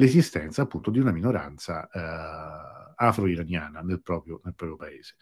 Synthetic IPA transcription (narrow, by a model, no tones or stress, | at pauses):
lezist̪ɛnt̪saːpːunt̪od̪iunaminoɾa̰nt̪sa | afɾoiɾanjaːnanelpɾɔːpɾjonelpɾɔːpɾjopaeːz̥e